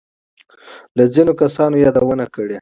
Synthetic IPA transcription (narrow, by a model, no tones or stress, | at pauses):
lazinokasɑnojɑd̪awənakəɽe